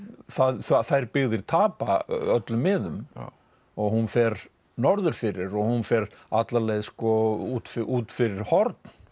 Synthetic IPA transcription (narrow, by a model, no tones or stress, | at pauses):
θaðθaθajɾpɪɣðɪɾ̥t̪ʰaːpa̰œt̪lʏmːɪðʏm | ɔɣhunfɛɾ | nɔɾðʏɾ̥fɪɾɪɾɔɣhunfɛɾa̰t̪laɾlejðskɔut̪fɪʔuːt̪fɪɾɪɾ̥hɔɾt̪̚n